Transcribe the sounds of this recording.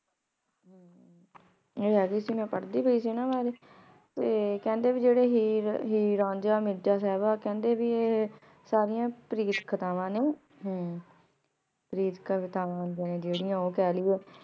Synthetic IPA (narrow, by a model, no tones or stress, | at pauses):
ɦ | eːɦɛːɡiːsiːmɛ̃ːpəɽd̪iːbəiːsiːnãːʋaːɾeː | t̪eːkɛ̃ːnd̪eːʋiːd͡ʒeːɽeːɦiːɦiːɾãːnd͡ʒaːmɪɾd͡ʒaːsɛːbaːkɛ̃ːnd̪eːʋiːeː | saːɾɪjãːpɾiːt̪kʰət̪aːʋãːnẽː | ɦ | pɾiːt̪kʰət̪aːʋãːnd̪ijãːneːd͡ʒeːɽɪjãːoːkɛːliːɛː